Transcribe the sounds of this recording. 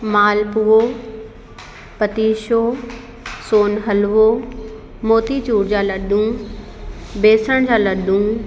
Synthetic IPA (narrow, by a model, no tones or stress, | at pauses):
maːlpuːo | pɐt̪iːʃoː | soːnɦɐlʋoː | moːt̪it͡ɕuːɽd͡ʑaːlɐɗʱũː | beːsəɽ̃d͡ʑaːlɐɗʱũː